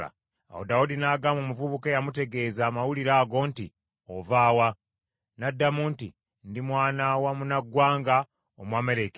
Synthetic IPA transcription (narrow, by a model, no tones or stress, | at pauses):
a̰ | a̰wo̰daudinaːɡaːmomuvuβukejamute̞ɡe̞ːzaːmawuliɾaːɡo̞ːnti | ovaːwa | nadːamuːnti | ndimwaːnawamunaɡwaːŋɡa | omwaːmeɾek